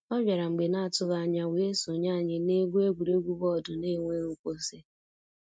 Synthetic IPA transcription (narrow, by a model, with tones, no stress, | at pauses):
ɔ˦bja˨ɾa˨ŋ͡m̩˨ɡ͡be˨na˦a˨tʊ˦ɣa˨a˨ɲa˨we˨e˦so˨ɲa˦˨ɲɪ˨ne˦ɡʷu˦e˦ɡʷu˨ɾe˦ɡʷu˦bɔ˦˨dʊ˨ne˦ŋʷe˦ŋu˦kʷo˦se˦